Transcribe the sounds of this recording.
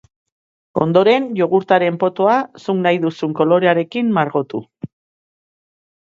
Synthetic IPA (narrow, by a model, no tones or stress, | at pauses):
o̞nd̪o̞ɾe̞nʎo̞ɣuɾt̪aɾe̞mpo̞t̪o̞asuŋnajðusuŋko̞lo̞ɾe̞aɾe̞kimmaɾɣo̞t̪u